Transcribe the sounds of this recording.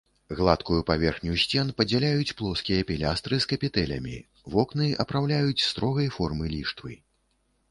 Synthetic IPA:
ɣlˠat̪kujupavʲɛrxnʲusʲt͡sʲɛnpɐd͡zʲalʲajut͡sʲplˠɔskʲijɐpʲilʲast̪ɾɨskɐpʲit̪ɛlʲɐ̰mʲḭ | vɔknɨɐpɾawlʲajut͡sʲst̪ɾɔɣɐjfɔrmɨlʲiʂt̪vɨ̰

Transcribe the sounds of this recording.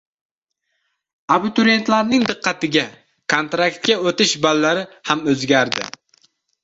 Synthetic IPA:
abɪt̪ʊɾe̞nt̪laɾnɪŋd̪ɨqːɑt̪ɪɡʲa | kʰont̪ɾakt̪̚kʲaot̪ɪʃbalːaɾɪhamɵzɡʲaɾd̪ɪ̰

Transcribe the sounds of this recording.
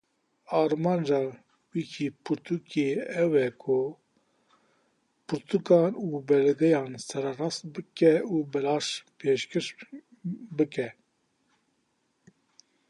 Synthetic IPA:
ɑːɾmɑːnd͡ʒɑː | wikʰipʰuɾt̪ʰukʰeɛwɛkʰʊ | pʰʊɾt̪ʰukɑːnuːbɛlɛɡɛjɑːnsɛɾɛrɑːst̪̚bɨkɛuːbɛlɑːʃpʰeːʃkɨɾ | bɨkɛ

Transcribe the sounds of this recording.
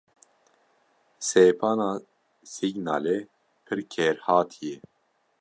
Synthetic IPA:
seːpʰɑːnɑː | siɡna̰ːle | pʰɨɾkʰeːɾhɑːt̪ʰijɛ

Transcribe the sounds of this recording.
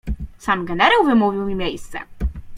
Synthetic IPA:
samɡɛnɛɾawvɘmuvʲiwmʲimʲjejst̪sɛ̰

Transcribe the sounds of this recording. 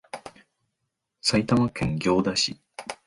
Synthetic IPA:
sait̪amakẽ̞ŋɡʲo̞ːd̪aɕi

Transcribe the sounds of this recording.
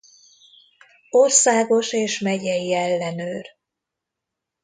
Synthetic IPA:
orsaːɡo̞ʃeːʃmɛɟɛjiɛlːɛnøːr

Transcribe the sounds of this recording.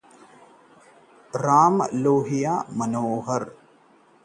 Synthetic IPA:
ɾaːmloːɦijaːmɐnoːɦɐɾ

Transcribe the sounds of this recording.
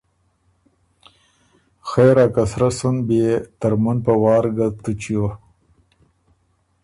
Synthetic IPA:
xeːɾakasɾasunbet̪aɾmunpawɑːɾɡat̪ut͡ɕjo

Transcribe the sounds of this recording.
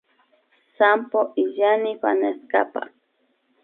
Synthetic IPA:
sampoʔijanipa̰neska̰pa̰

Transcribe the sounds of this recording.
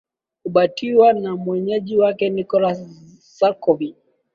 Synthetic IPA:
kuɓatʰiwanamwɛɲɛʄiwakɛnikɔla | sakɔvi

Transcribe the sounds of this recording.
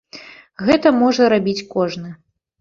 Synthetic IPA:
ɣɛt̪ɐmɔʐɐɾabʲit͡sʲkɔʐnɨ

